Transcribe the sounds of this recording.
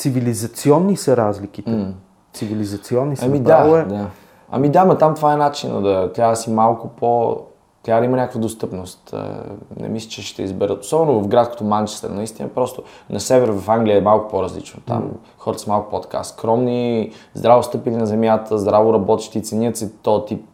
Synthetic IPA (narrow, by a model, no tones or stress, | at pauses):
t̪sivilizɐt̪siɔnːisəɾazlikit̪ɛ | t̪sivilizɐt̪siɔnːiɐmid̪aoɛd̪a | ɐ̰mid̪amɐt̪amt̪vaɛnat͡ʃinə̰d̪ɐt̪asimalˠkʊpo | t̪ɾad̪imɐnʲakəkvəd̪ost̪ɤpnost̪ə̰nɛ̰mislʲi̥t͡ʃɛʃt̪ɛizbɛɾət̪o̥sɔbɛnovɐfɡɾat̪sko̥t̪omant͡ʃɛ̥st̪ɛ̰ɾnɐist̪inɐ̰pɾɔst̪o | nɐsɛvɛɾvɐfaŋɡliəɛmalˠkʊ̥poɾɐzlḭt͡ʃnot̪a̰m | xɔɾət̪ə̥sɐmalˠkʊ̥pot̪ka̰skɾɔmnizd̪ɾavost̪ɤpilinɐzɛmʲjat̪əzd̪ɾavoɾɐbɔt̪ɛ̥ʃt̪iːt̪sɛniət̪sɛt̪ɔt̪ip